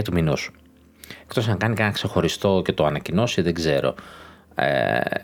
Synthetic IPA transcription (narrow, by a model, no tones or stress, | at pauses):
ɐt̪uminusu̥ | e̞kt̪o̞sɐŋkɐnicenɐkse̞xo̞ɾist̪o̞ce̞t̪o̞ɐnɐcino̞siðeɡze̞ɾo̞̰ | ḛ